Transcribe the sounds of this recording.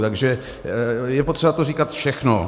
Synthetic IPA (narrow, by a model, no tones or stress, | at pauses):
t̪aɡʒɛ | jɛpo̞t̪r̥ɛbat̪oriːkat̪fʃɛxno